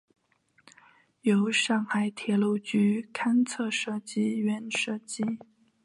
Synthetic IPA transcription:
jo˧˥ʊʂɑ˥˩ŋxa˧˩ɪt̪ʰjɛ˧˥lu˥˩ʊt͡ɕy˥kʰa˥nt͡sʰɤ˥˧ʂɤ˥˩t͡ɕi˥ɥɛ˥˧˩nʂɤ˥˩t͡ɕi˥

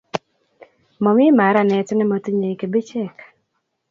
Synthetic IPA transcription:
mɔ˨mɪ˦ma˨˦ɾa˨nɛ˨tɔ˦nɛ˦ma˨ti˦ɲe˨i˨ke˨be˦t͡ʃɛ˦˨k

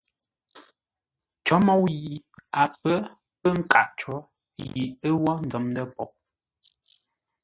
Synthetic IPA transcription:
t͡ʃɔ˦mɔ˦wji˨ | a˨pə˦ | pə˦ŋ̩˦ka˨ʔt͡ʃɔ˨˦ | jḭ˨ə˦wɔ˦n˨d͡zɔ˨˦mdə˦pɔ̰˨ʔ̚

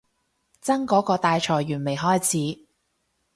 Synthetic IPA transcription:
t͡sɐ˥ŋkɔː˨˥kɔː˧t̪aː˧jt͡ʃʰɔː˨˩jɥyː˨˩nme˨˩jɦɔː˥jt͡sʰiː˨˦˥

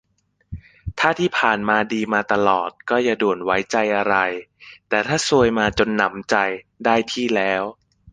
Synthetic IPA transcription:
t̪ʰaː˥˩t̪ʰiː˥˩pʰaː˨˩nmaː˧diː˧maː˧t̪a˧lɔ̰ː˨˩t̪̚kɔː˥˩ja˨˩du˨˩nwa˦˥jt͡ɕa˧jʔa˧ɾa˧jt̪ɛː˨˩t̪ʰaː˥˩su˧əjmaː˧t͡ɕo˧nːa˦˥mt͡ɕa˧j | daː˥˩jt̪ʰiː˥˩lɛː˦˥w

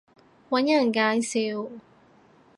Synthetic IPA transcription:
wɐ˨˥njɐ˨˩nkaː˨˧˥jsiː˨˧w

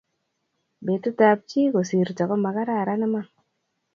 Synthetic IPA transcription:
be˨tu˦ta˧p̚t͡ʃi˦ko˨si˨ɾtɔ˨kɔ˦ma˨ka˦ɾa˦˨ɾa˦nɛ˦ma˦

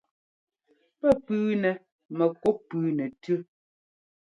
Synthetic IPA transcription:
pɛ˦pʉː˦nɛ˨ | mɛ˨kɔ˨˦pʉː˨˦nɛ˨tʉ˦

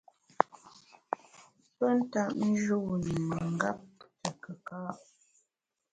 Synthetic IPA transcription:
pə˦n̩˦ta˦˨ʔn̩˦d͡ʒu˦˨nə˨mə˨ŋ̩˦ɡa˦p̚tə˨kə˨ka˦ʔ

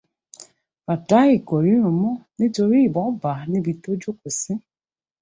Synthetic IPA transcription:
ba˨ta˦i˨ko˨ɾi˦ɾu˨mɔ˦ni˦to˨ɾi˦˨bɔ˨˦ba˨ni˦bi˨to˦d͡ʒo˦ko˨si˦

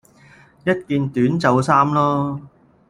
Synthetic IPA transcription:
jɐ˥t̚kiː˨˧nt̪yː˨˥nt͡sɐ˨˧wsaː˥mlɔː˥

